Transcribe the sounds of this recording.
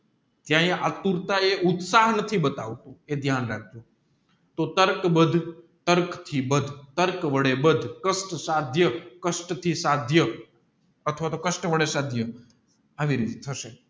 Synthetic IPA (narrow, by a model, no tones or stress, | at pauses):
t̪jãeʔat̪uɾt̪aeʔʊt̪saɦnət̪ʰibət̪aʋt̪ũed̪ʱjanɾak̚ʰd͡ʒo | t̪ot̪əɾkbəd̪ʱ | t̪əɾkt̪ʰibəd̪ʱt̪əɾkʋəɽebəd̪ʱkəsʈsad̪ʱjəkəsʈt̪ʰisad̪ʱjə | ət̪ʰəʋat̪okəsʈʋəɽesad̪ʱjə | aʋiɾit̪et̪ʰəʃe